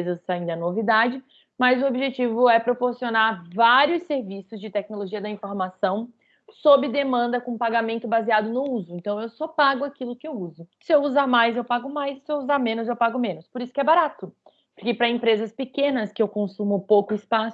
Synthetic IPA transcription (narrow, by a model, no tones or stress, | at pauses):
zɐsaĩd̪ɐnovid̪ad͡ʒɪ | mɐzʊobiʒet͡ʃivʊɛpɾopoɾsionaɾvaɾiʊsːeɾvisʊzd͡ʒɪt̪ɛk̚noloʒiɐd̪ɐĩfoɾmasɐ̃w̃ | sobɾɪd̪emɐ̃nd̪ɐkõpaɡamẽnt̪ʊbaziad̪ʊnʊuzʊẽnt̪ɐ̃w̃ewsɔpaɡʊakilʊkɪewuzʊsɪewuzaɾmajzewpaɡʊmajsːɪewuzaɾmẽnʊzewpaɡʊmẽnʊspoɾisʊ̥kɛbaɾat̪ʊ | pʊɾkepɾɐẽpɾezɐspɪkẽnɐskɪewkõsũmʊpowkʊɪspasʊ